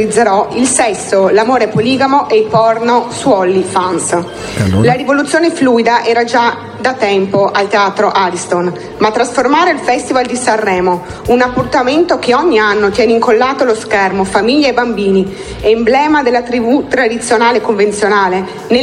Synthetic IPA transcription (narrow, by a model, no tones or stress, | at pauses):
lid̪zːeɾɔilsɛsːolamoːɾepoliːɡamoʔepɔrnoswɔlːifans | laɾivolut̪sːjoːnefluːid̪aʔɛːɾad͡ʒa | d̪at̪ɛmpoʔalt̪eaːt̪ɾoʔaɾist̪on | mat̪ːɾasformaːɾeilfɛst̪ivald̪isarːɛːmo | unapːurt̪ament̪okeɔɲːianːot̪jɛːneiŋkolːaːt̪oloskɛrmofamiʎːaebambiːni | ɛmblɛːmad̪elːat̪ɾibut̪ɾad̪it̪sːjonaːlekoɱvent̪sjonaːle | ne